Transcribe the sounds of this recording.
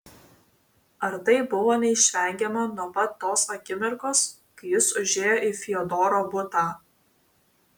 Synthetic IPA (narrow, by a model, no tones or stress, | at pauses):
ɐɾt̪ɐɪbʊʋoːnʲɛɪʃʲʋʲæˑŋʲɡʲɛmɐnuɔpɐt̪ːoːsɐkʲɪmʲɪɾkoːs | kɐɪjɪsʊʒʲeːjoːʔiːfʲiod̪oːɾoːbʊt̪ɑː